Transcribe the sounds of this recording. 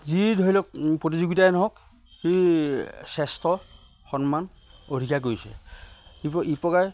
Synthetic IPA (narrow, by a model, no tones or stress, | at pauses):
zidʱoilɔk̚pɹot̬izuɡitaɛnɔɦɔk | xi | sɛstɔ | xɔnman | odʱikʰak̬oisɛ̰ipɔipɔkaj